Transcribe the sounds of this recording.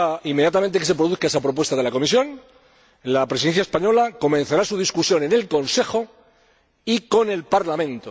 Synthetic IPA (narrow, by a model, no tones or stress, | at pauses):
imːeðjat̪amẽ̞nt̪eks̬e̞pɾoðuθkaes̬apɾo̞p̬we̞st̪aðe̞lako̞misjo̞n | lapɾesiðe̞nθjaespaɲo̞lako̞mẽ̞n̟θaɾasuðiskusjo̞ne̞ne̞lko̞nse̞xo̞ | iko̞ne̞lpaɾlamẽ̞nt̪o